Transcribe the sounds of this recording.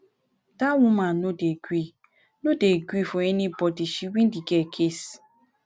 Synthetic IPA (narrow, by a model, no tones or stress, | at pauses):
tawumanodeɡʷi | nodeɡʷifoenibɔdiʃiwin̩diɡekʰes